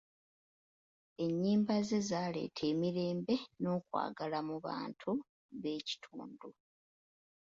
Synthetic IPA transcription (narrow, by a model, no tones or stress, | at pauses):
e̞ɲːiːmbaze̞zaːle̞̰ːtʰe̞ːmiɾe̞ːmbe̞no̞ːkwa̰ːɡalamuβa̰ːntʰu | βe̞ːci̥tʰṵːndu